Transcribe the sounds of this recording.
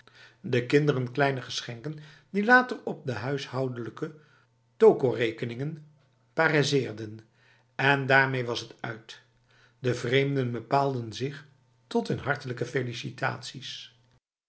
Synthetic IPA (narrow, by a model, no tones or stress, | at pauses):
dəkɪndərənklɛjnəχəsχɛŋkəndilaːtərɔp̚dəɦœɥshʌwdələkə | towkorejkənɪŋən | paːrazɪːɹdən | ɛndaːɹmejʋɑsɦətœ̰ɥt | dəvrejmdənbəpaːlˠdənzɪχ | tɔtənɦɑɹtələkəfelisita̰ːtsis